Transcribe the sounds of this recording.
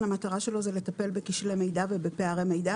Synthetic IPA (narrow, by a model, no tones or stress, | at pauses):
amat̪aʁaʃe̞lo̞zele̞t̪ape̞lbekiʃleme̞jd̪avebe̞peaʁemejd̪a